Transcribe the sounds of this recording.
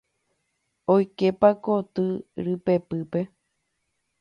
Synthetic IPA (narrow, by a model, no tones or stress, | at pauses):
ojkepakot̪ɨɾɨpe̞pɨpe̞